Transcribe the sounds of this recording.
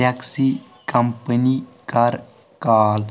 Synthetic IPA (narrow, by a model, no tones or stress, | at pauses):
aksi | kɐmpənikɐɾ | kaːl